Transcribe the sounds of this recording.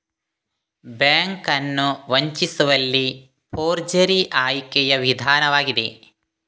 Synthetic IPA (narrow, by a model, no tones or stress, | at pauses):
bjaːŋkɐnːuʋɐɲt͡ʃisuʋɐlːi | pʰoːɾd͡ʒɐɾiʔaːjkɛjɐʋid̪ʱaːnɐʋaːɡid̪ḛ